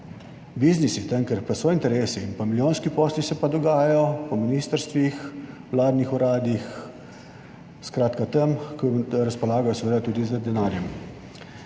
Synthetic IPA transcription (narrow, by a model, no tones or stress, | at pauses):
biznisit̪əmkəɾpɐsɔint̪ɛɾeːsiːnpamilʲjoːnskipɔːslisɛpad̪ɔɡaːjajɔpɔminist̪əɾst̪ʋix | wlaːd̪nixuɾaːd̪ix | skɾaːt̪kat̪əmkɔɾaspɔlaːɡajɔsɛʋeːd̪at̪uːd̪izəd̪ɛnaːɾjɛm